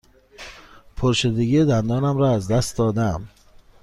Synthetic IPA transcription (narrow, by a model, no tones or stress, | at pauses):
pʰoɾʃed̪eɡid̪ænd̪ɒːnæmɾɒːæzd̪æst̪̚d̪ɒːd̪æm